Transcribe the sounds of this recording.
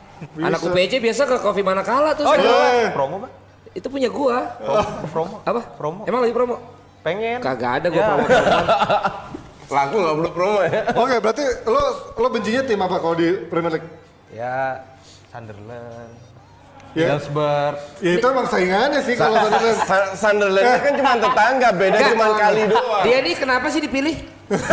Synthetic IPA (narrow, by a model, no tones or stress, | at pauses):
bianakupet͡ʃɛbias̬akəkofimanakalat̪ʊspɾomɔba | it̪upuɲaɡua | pɾomɔapapɾomɔemaŋlaɡipɾomɔ | peŋɛkaɡa̰ːdaɡuapɾomɔan | laɡuamlopɾomɔokebəɾat̪ilolobəɲt͡ʃiɲat̪ɪmapakalodipɾimilik̚ | ja | sandərlən | jaɛlsbərjait̪uemaŋsaiŋanasɪhalosandərlɛnsasandərlɛakant͡ʃumant̪ət̪aŋɡabedat͡ʃumankalidoadianikənapas̬ɪhdipilɪh